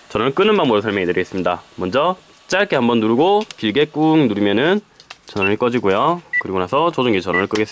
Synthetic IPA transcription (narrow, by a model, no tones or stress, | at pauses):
t͡ɕʌnʌnɯnk͈ɯnɯnbaŋmuɾɯsʰaɭmjʌŋidɯɾiɡes͈ɯmɲidamʌnd͡ʑʌ | t͡ɕ͈aɭk͈ʰe̞hambʌnːuɾuɡokiɭɡe̞k͈uŋnuɾimjʌnɯnt͡ɕʌnnɯɭk͈ʌd͡ʑiɡojokɯɾiɡonasʰʌt͡ɕod͡ʑuŋit͡ɕʌnʌnɯɭk͈ɯɡe̞sɯ